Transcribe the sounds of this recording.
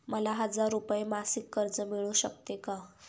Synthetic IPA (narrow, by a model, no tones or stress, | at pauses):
məlaɦəd͡zaɾːupjemasikːəɾd͡zəmiɭũɕəkt̪eka